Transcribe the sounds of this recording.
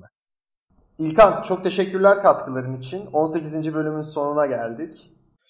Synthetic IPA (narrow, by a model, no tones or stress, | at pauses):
ilʲkʰant͡ʃʰo̞k̚t̪ʰe̞ʃɛcːyɾlʲæɾkʰat̪kʰɯlˠaɾɯnit͡ʃʰino̞nse̞cizind͡ʒibø̞lʲymynso̞nunaɟælʲd̪ic